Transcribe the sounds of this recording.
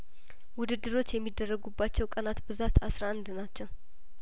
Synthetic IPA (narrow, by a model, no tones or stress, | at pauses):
wʊd̪ɨd̪ːɨɾo̞t͡ʃːjɛmːid̪ːərːəɡubːat͡ʃːɛwkʼənat̪bɨzat̪asɾaand̪nat͡ʃːɛw